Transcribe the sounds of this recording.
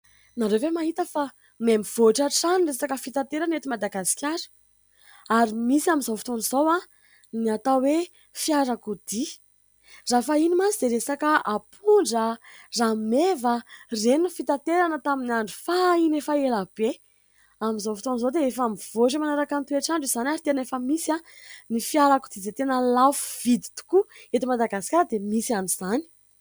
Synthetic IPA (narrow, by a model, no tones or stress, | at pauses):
naɾewvemaɦit̪əfa | memiv̥oaʈ͡ʂaʈ͡ʂanresakəfit̪at̪eɾanet̪imad̪aɡasi̥kʲaɾə̥ | aɾimisiamizofi̥t̪onizowa | niat̪awe | fiaɾakud̪i | rafainimazid̪eɾesakəapʰuɳɖ͡ʐəramevərenufit̪at̪eɾanət̪aminaɳɖ͡ʐu̥fainefaelab̥e | amizofi̥t̪onzod̪eefamiv̥oʈ͡ʂimanaɾakant̪uaʈ͡ʂaɳɖ͡ʐiz̥anaɾit̪enefəmisia | nifjaɾaku̥d̪izet̪enəlafu̥v̥id̪i̥t̪u̥kuet̪imad̪aɡasi̥kaɾəd̪emisianizani̥